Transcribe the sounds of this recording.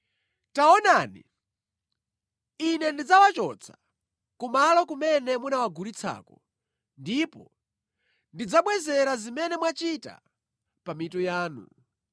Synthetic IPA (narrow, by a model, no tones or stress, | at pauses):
taɔnanḭ | inɛndid͡zawat͡ʃɔt͡sʰḁ | kumalɔkumɛnɛmunawaɡuɾit͡sʰa̰ːkɔ | ndipɔ | ndid͡zaɓwɛzɛɾazimɛnɛmwat͡ʃita̰ | pamitɔjaːnṵ